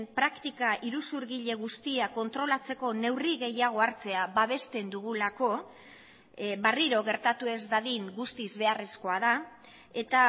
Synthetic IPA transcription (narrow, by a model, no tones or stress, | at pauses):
pɾakt̪ikaʔiɾusuɾɣiʎe̞ɣ̞ust̪iako̞nt̪ɾo̞lat͡se̞ko̞ne̞wriɣe̞jaɣ̞oaɾt͡se̞aβaβ̞e̞st̪e̞nd̪uɣ̞ulako̞ | βariɾo̞ɣe̞ɾt̪at̪ue̞zd̪aɣiŋɡust̪izβe̞are̞sko̞aða | e̞t̪a